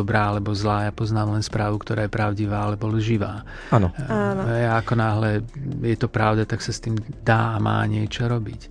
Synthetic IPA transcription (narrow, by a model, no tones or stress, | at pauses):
ɔbɾaːalɛbɔzlaːjapɔznaːmlɛnspɾaːʋukt̪ɔɾaːjɛpɾaʊɟiʋaːalɛbɔlʒiʋaː | anɔaɦɛjaakɔnaːɦlɛjɛt̪ɔpɾaʊd̪at̪aksast̪iːmd̪aːama̰ːɲɪɛt͡ʃɔɾɔbic